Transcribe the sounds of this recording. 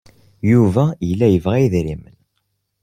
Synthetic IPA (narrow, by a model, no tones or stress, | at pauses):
juvæjəlːæjəvʁæiðɾimən